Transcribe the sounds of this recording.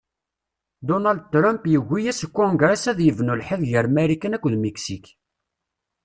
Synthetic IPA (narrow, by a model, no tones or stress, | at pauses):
d̪onald̪̚t̪ɾˤampjəɣʷːijæsəkːʊŋɡɾæsæðjəvnulħəðʝəɾmæɾikːənækʷːəðmeksik